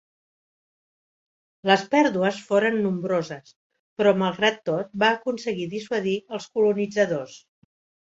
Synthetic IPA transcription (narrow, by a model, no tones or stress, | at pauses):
ləspɛɾðuəsfoɾənːumbɾozəs | pɾɔməlˠɣɾat̪ːot̪̚baːkunsəɣiðiswəðiəlˠskulunid͡zəðos